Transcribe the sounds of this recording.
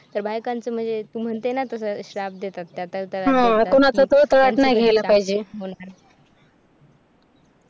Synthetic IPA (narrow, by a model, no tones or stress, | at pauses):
t̪əɾbʱajkãnt͡səm̤əɳd͡zet̪um̤əɳt̪enat̪əsəɕɾapd̪et̪at̪ːjat̪əɾt̪əɾaɦãkoɽ̃at͡sat̪ot̪əɾaʈnajɡʱejlapaɦid͡ʑeona